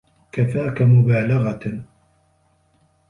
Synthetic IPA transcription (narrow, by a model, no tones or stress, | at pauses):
kafaːkamʊbaːlaɣa